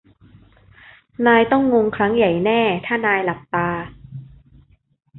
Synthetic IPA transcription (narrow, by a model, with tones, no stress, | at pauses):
naː˧jt̪ɔ˥˩ŋːo˧ŋkʰɾa˦˥ŋja˨˩jnɛː˥˩t̪ʰaː˥˩naː˧jla˨˩p̚t̪aː˧